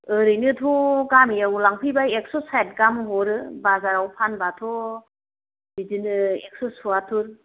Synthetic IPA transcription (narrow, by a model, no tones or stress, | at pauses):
ɯɾɯjnɯtʰɔɡamiawlaŋpʰibaek̚sɔsajt̚ɡamɦɔɾɯbazaɾawpʰanbatʰɔ | didinɯek̚sɔsuatʰuɾ